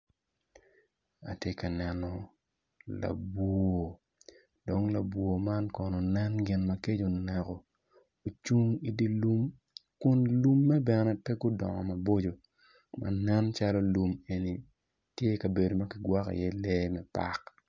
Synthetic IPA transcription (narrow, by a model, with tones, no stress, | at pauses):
a̰˨tje˦ka˨nɛ˨nɔ˨ | la̰˨bwo˨ | do˨ŋla˨bwo˨ma˦nkɔ˨nɔ˨nɛ˦nɡɪ˨nmɐ˨ke˦d͡ʒo˨nɛ˨kɔ˨ | o˨t͡ʃu˦ŋi˦di˦lu˦m | kʊ˦nlu˦mːɛ˦bɛ˨nɛ˦tɛ˦ɡʊ˦dɔ̰˨ŋɔ̰˨ma˨bo˦d͡ʒo˨ | ma̰˨nɛ˦nt͡ʃa˦lɔ˦lu˨me˨ni˨ | tje˦kɐ˨be˨do˨ma˦kɪ˨ɡwa˦ka̰˨jɛ˦lɛ˦mɛ˦pa̰˦k